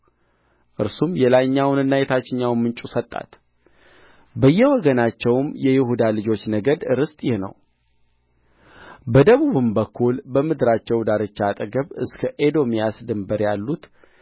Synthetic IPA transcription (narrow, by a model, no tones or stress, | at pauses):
ʔɨ̰ɾsumjɛlajɲːawnɨnːajɛt̪ʰat͡ʃːɪɲːawnmɨnt͡ʃʼusət̪ʼːa̰t̪ | bəjːɛwɔɡənat͡ʃːɛwmjɛjɪhud̪alɨd͡ʒo̞t͡ʃːnəɡəd̪ɨɾɨst̪ʼjɪhnə̰w | bəd̪əβuβɨmbəkʰːulbəmɨd̪ɾat͡ʃːɛwd̪aɾɨt͡ʃːaːt̪ʼəɡəβɨ̰skʰəʔed̪o̞mijasd̪ɨmbəɾjalːut̪